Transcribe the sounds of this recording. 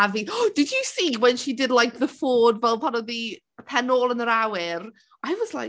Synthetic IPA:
aviɔd̥ɪdjəsiːwɛnʃidɪdˡlajk̚ʰðəfoːdvɛlˠpʰanɔði | əpʰɛnoːlˠənəɾawɪr | ʔajwɔzlˠa̰

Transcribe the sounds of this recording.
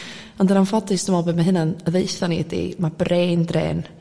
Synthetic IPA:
ɔndənanfɔdɨsd̥əmɔbɛdmaɦɨnanəðejθaniədḭmab̥reːndrḛːn

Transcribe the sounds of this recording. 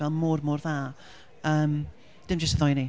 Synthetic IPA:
ɛlˠmʊrmʊːrðaː | əːm | d̥ɪmd͡ʒəstəðɔjni

